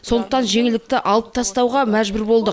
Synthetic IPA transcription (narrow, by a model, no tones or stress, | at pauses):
so̞nd̪əqt̪ɑnʒe̞ŋɪlɪk̚t̪ɪʔɑlˠəp̚t̪ʰɑst̪ɑwʁɑmæʒbʏɾbo̞lˠd̪ə